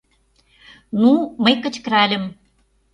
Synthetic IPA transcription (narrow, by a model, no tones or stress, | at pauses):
numəjkə̆t͡ɕkɾælʲə̆m